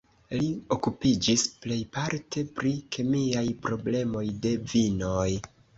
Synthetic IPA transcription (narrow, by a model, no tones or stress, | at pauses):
lio̞kupid͡ʒisple̞jpaɾtʰe̞pɾikʰe̞miajpɾo̞ble̞mo̞jde̞vino̞j